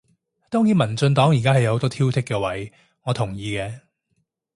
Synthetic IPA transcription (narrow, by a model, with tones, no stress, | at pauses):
t̪ɔː˥ŋjiː˨˧nmɐ˨˩nt͡sɵ˧nt̪ɔː˨˥ŋji˨˩kaː˥hɐ˨jɐ˧ho˨˧wt̪ɔː˥t̪ʰi˥wt̪ʰɪ˥kːɛː˧wɐ˨˥j | ŋɔː˨˧t̪ʰʊ˨˩ŋjiː˧kɛː˧